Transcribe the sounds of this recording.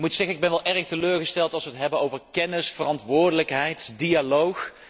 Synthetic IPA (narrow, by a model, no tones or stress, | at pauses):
mutsɛɣənɪɡ̚bɛnʋɛlˠʔɛrχtəløːɹχəstɛlˠtɑlˠsʋətɦɛbənowvəɹkɛnɪsfərɑntʋʊːɹdələkɦɛjtdijalowx